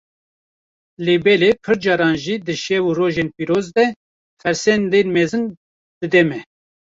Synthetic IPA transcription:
leːbɛlepʰɨɾd͡ʒɑːɾɑːnʒiːd̪ɨʃɛwuroːʒenpiːɾoːzd̪ɛ | fɛɾsɛnd̪enmɛzɨn | d̪̥ɨd̪ɛmɛ

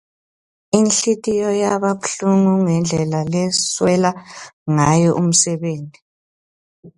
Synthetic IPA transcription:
inɬitʼijɔjaβapɬuŋuŋɛnd͡ɮʱɛlalɛswɛlaŋajɔʔum̩sɛβeːnti

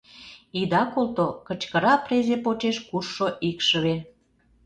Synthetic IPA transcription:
id̪ɑkolt̪okət͡ɕkəɾɑprezepot͡ɕeʃkurʃoʔikʃə̆βe

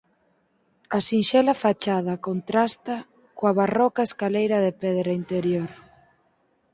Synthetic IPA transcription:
ɐsinʃɛlafat͡ʃað̞ɐkont̪ɾast̪ɐ | koaβarɔkaeskalejɾɐðepɛðɾaint̪eɾjoɾ

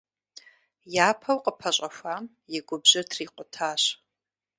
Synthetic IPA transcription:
jaːpʰɐwqʼəpʰɐɕʼɐfʷaːm | jɪɡʷʊbʑɐtʰriːqʷʼʊtʰaːɕ

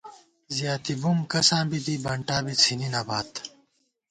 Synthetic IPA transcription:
zijaːt̪ibumkɐsãːbid̪ibɐɳʈaːbit͡sʰininɐbaːt̪

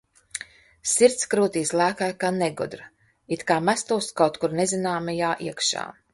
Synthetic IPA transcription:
siɾt̪skɾuːt̪iːslˠæːkajkaːneɡud̪ɾ | it̪kaːmæst̪uːskawt̪kuɾnezʲinaːmɛjaːʔiɛkʃa̰ː

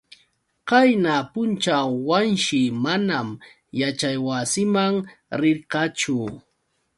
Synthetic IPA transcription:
kajnapʊnt͡ʃawanʃɪmanam | jat͡ʃajwasɪmaŋɾɪɾqɑt͡ʃʊ

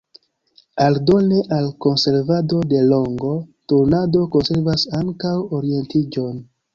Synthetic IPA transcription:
aldo̞neʔalko̞nse̞ɾvado̞de̞lo̞ŋɡo̞tuɾnado̞ko̞nse̞ɾvasaŋkawoɾie̞ntid͡ʒo̞n

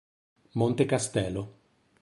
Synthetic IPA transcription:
mont̪ekast̪ɛːlo

